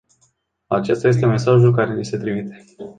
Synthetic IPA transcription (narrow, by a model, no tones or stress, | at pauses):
at͡ʃe̞st̪aje̞s̬t̪e̞me̞saʒulkaɾe̞lise̞t̪ɾimit̪e̞